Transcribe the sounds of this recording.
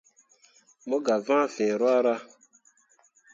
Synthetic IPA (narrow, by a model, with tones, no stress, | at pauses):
mo˦ɡa˨vã˦˨fɛː˨ɾɔ˦a˦ɾa˦